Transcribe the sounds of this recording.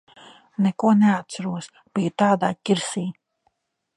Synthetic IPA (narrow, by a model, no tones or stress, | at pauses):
nɛkuɔnɛat̪̚t̪saɾuɔs | b̥ijut̪aːd̪aːcʲiɾsiː